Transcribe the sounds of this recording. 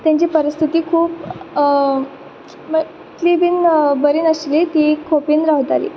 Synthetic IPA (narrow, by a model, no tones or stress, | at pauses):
t̪jãɲt͡ɕiːpəɾist̪ʰit̪iːkʰuːp | mə | klibiːnbəɾiːnəslit̪iːkʰopiːnɾaɦt̪alḭː